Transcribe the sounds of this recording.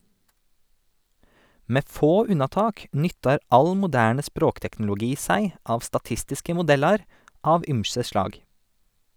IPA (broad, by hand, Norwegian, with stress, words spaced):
ˈmeː ˈfoː ˈʉnɑˌtɑːk ˈnʏtɑɾ ˈʔɑl mʊˈdæːɳə ˈspɾoːktɛkn̩lʊˌɡiː ˈsæɪ ˈʔɑːʋ stɑˈtɪstɪskə mʊˈdɛlɑɾ ˈɑːʋ ˈʔʏmsə ˈʃlɑːɡ